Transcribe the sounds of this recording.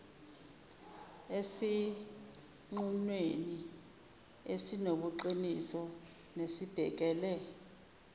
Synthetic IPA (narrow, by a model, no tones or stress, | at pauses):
esi | ŋ͡ǃunweni | esinoɓuǃinisɔ | nesib̥ʱɛk̬ɛːlɛ